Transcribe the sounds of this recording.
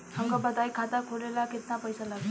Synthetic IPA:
hamkabʌd̪ajkʰat̪akʰoɾelaket̪napʌjsalaɡ

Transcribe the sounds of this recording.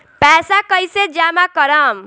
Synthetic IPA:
pɛsakʌjsed͡ʒamakʌɾʌm

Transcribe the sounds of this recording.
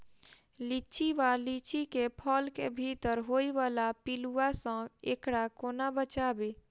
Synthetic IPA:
lit͡ʃʰiʋalit͡ʃikepʰəlkebʱit̪əɾɦoiʋalapiluasə̃ḛkɽakonabət͡ʃabe

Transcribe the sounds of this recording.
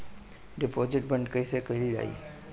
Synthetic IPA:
ɖɪpod͡ʒɪʈ̚bəɳɖkəisekəɦilid͡ʒa̰ːḭː

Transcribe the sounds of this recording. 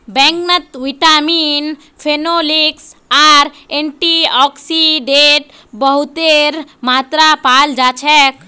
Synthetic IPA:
bɛ̃ŋknət̪ʋiʈamin | pʰenoliksaːɾeɳʈiɔksiɖeʈ | bəɦut̪eɾmat̪ɾapald͡ʒat͡ʃʰɛk

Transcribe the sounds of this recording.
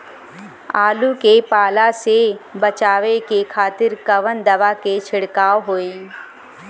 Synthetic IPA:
aːlukepaːlasebət͡ʃaːʋekekʰaːt̪ɪɾkəʋənd̪əʋaket͡ʃʰɪɽkaːoɦoːi

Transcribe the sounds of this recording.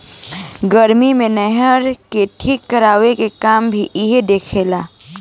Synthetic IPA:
ɡəɾmimẽnɛɦəɾkeʈʰiːkːəɾaːʋekekaːmbʱiʔɪɦed̪eːkʰeːlaː

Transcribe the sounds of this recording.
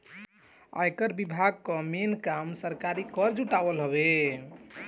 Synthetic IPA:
a̰jkəɾbibʱaɡ̚kəmenkamsəɾkaɾikəɾd͡ʒuʈabəlɦəbe

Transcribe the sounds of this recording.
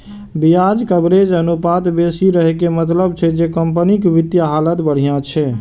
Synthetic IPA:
bijad͡ʒkəbɾed͡ʒənupat̪besiɾəɦekemət̪ləbt͡ʃʰɛd͡ʒekəmpənikʋit̪jaɦalət̪bəɽ̤ijãt͡ʃʰɛ

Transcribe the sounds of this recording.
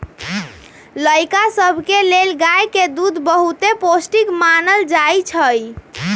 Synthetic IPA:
ləjkasəbʱkelelɡajked̪ud̪ʱbəɦut̪eposʈikmanəld͡ʒajt͡ʃʰəj

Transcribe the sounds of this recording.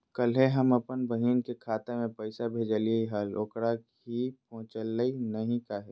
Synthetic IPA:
kəlɦeɦɐməpənbəɦiːnkekʰaːt̪emẽpəɪsabʱeːd͡ʒəlieiɦaːloːkɽa | ipɔ̃ɦʊ̃t͡ʃəlːəinɐɦĩkaɦɛː

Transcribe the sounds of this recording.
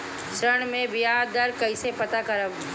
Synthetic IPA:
ʃɾəɽ̃mẽbɪjaːɾd̪ɐɾkɐisepɐt̪akɐɾəb

